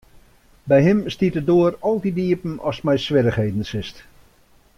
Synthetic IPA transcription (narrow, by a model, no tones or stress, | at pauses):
bɛjɦɪmstitədoərɔlˠdidiəpən̩ɔsmɛjsʋɪɾəχhejdn̩sɪst